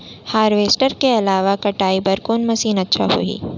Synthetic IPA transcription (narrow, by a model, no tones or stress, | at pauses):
haːɾʋeːsʈəɾkeɐlaːʋakɐʈaːibɐɾkoːnmɐsiːnɐtːʃʰa̰ɦo̰ːḭː